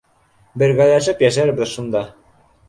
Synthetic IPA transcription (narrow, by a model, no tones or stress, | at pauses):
bɘ̆ɾɡælæʃɘpjæʃæɾbɘðʃund̪ɑ